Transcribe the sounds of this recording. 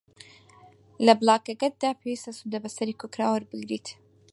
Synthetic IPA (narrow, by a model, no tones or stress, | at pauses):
lɐblˠaːkɐɡɐt̪̚d̪aːpʰeːwiːst̪ɐsud̪ɐbɐsɐɾiːkʰokɾaːwɐɾbɨɡɾiːt̪